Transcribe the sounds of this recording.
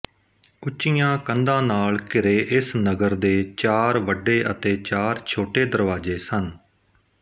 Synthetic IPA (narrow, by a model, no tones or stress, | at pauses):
ʊt͡ʃːt͡ʃːɪjãːkənd̪ãːnaːlkɪɾeːʔɪsnəɡəɾd̪eːt͡ʃaːɾʋəɖːeːʔət̪eːt͡ʃaːɾt͡ʃʰoːʈeːd̪əɾʋaːd͡ʒeːsən